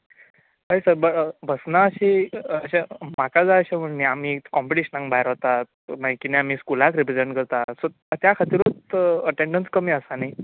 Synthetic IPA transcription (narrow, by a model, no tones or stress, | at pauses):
ɦəjsəɾbəʈbʱəsnaəɕiəɕemakad͡zaəɕam̤əɳniamiːkɔmpiʈiɕənãŋkbʱajeɾaɦot̪at̪makiniamiːskulakɾipɾed͡zeɳʈkəɾt̪aso | t̪jakʰat̪iːɾot͡səʈeɳɖənskəmiːəsanai